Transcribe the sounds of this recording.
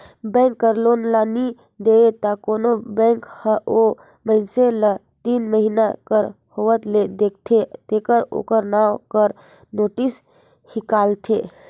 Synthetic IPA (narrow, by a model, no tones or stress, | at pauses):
bɛ̃ŋkːəɾlonlani | d̪eet̪akonobɛ̃ŋkhəʔo | məɪnselə | t̪iːnməɦinakəɾ | hoʋət̪led̪ek̚ʰt̪ʰet̪ekəɾo̰kəɾnawkəɾ | noʈis | hikalt̪ʰe